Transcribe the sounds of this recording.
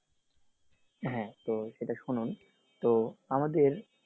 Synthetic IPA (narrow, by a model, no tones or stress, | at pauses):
ɦɛ̃t̪oʃeʈaʃunun | t̪oamad̪eɾ